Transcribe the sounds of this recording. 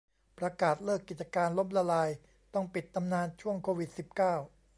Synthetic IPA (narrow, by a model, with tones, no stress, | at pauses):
pɾa˧kaː˨˩t̪̚lɤː˥˩kːi˨˩t̪̚t͡ɕa˧kaː˧nlo˦˥m̚la˧laː˧j | t̪ɔ˥˩ŋpi˨˩t̪ːa˧mnaː˧nt͡ɕʰu˥˩əŋkʰoː˧wi˨˩t̪̚si˨˩p̚kaː˥˩w